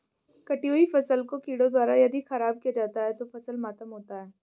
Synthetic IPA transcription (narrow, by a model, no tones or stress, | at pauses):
kɐʈijoːifɐsəlkokiːɽod̪waːɾajɐd̪ʱixɐɾaːb̚kijad͡ʒaːt̪aɦɛt̪ofɐsəlmaːt̪əmɦoːt̪aɦɛː